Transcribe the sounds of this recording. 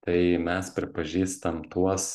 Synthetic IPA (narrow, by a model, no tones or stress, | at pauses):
t̪ɐɪmʲɛspʲɾʲɪpɐʒʲiːst̪ɐmt̪uɔs